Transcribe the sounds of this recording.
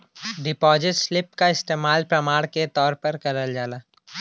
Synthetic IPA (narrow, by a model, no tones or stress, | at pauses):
ɖɪpɔːd͡ʒɪʈslɪp̚kaɪst̪eːmaːlpɾɐmaːɽket̪ɔːɾpɐɾkɐɾəld͡ʒaːlaː